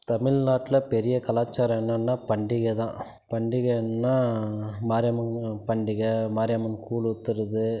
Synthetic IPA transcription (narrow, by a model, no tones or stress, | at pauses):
t̪ɐmɪɻnaːʈːɪlɐpɛɾɪjɐkɐlaːt͡ʃːaːɾɐ̃ɛnːɐnːaːpɐɳɖɪɣɐt̪ã̰ː | pɐɳɖɪɣɐɛnːaːmaːɾɪjɐmɐnpɐɳɖɪɣɐmaːɾjamɐnkuːlʊt̪ːɯɾɐðɯ